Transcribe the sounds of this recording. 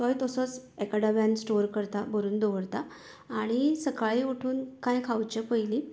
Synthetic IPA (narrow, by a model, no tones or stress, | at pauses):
t̪ɔjt̪əsət͡sekaɽabãnsʈoɾkəɾt̪abəɾuːnd̪ɔʋəɽt̪aː | ɽ̃isəkaɭiuʈʰuːnkãjkʰawt͡ɕepəjli